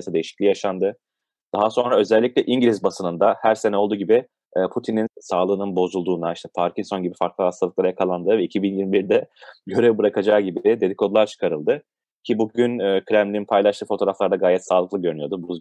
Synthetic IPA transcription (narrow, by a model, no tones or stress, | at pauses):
asɯd̪e̞jiʃi̥clʲijaʃand̪ɯ | d̪̥aɦaso̞nɾaø̞zɛlʲːicʲlʲɛʔiɲɟiɾʲizbasɯnɯnd̪ahæɾse̞nɛo̞lˠd̪uːɟibiː | pʰut̪ʰininsaːlˠɯːnɯnbo̞zulˠd̪uːnd̪aiʃt̪ʰɛpʰaɾcʰinst̪o̞nɟibifaɾklˠɯhast̪ʰalˠɯklˠaɾajakʰalˠand̪ɯvɛicʰibinjiɾmbiɾd̪ɛɟø̞ɾɛvbɯɾakʰad͡ʒaːɟibɪd̪e̞d̪ikʰo̞d̪lˠaɾt͡ʃʰɯ̥kʰaɾɯlˠd̪ɯ | cʰibuɟynːkɾæmlʲinpʰajlˠaʃt̪ɯːfo̞t̪ʰo̞ɾaflˠaɾd̪aɡaːjɛt̪saːlˠɯklˠɯɟø̞ɾynyjo̞d̪ubuz